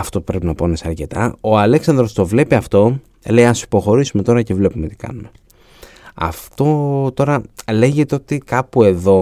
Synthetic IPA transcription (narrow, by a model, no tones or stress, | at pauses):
ɐft̪o̞pɾe̞pinɐponesɐɾce̞t̪ɐ̰oɐle̞ksɐnd̪ɾo̞st̪o̞vle̞piɐft̪o̞ | lejɐsi̥po̞xo̞ɾisume̞t̪o̞ɾɐcevle̞pume̞t̪i̥kɐ̰nume̞ | ɐ̰ft̪o̞t̪o̞ɾɐle̞ʝet̪eo̞t̪ikɐpue̞ðo̞